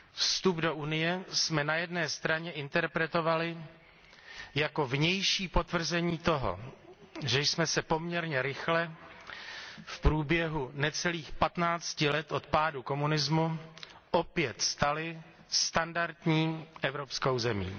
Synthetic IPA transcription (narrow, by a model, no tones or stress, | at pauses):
fst̪updo̞ʔunɪjɛsmɛnajɛdnɛːst̪ɾaɲɛʔɪnt̪ɛɾpɾɛt̪o̞valɪ | jako̞vɲɛjʃiːpo̞t̪vr̩zɛɲiːt̪o̞ɦo̰ | ʒɛjsmɛsɛpo̞mɲɛɾɲɛɾɪxlɛ | fpɾuːbjɛɦunɛt͡sɛliːxpat̪naːt͡scɪlɛt̪ʔo̞t̪̚paːduko̞munɪzmuʔopjɛt̪st̪alɪ | st̪andaɾt̪ɲiːʔɛvɾo̞psko̞wzɛmḭː